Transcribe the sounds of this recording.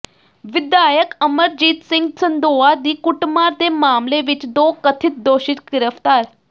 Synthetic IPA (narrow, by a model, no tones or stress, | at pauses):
ʋid̪jajəkəməɾd͡ʑiːt̪siŋɡsənd̪oʋad̪iːkuʈmaɾd̪emaːmleʋit͡ɕd̪okət̪ʰiːt̪̚d̪oɕit̪ɡiɾəft̪aːɾ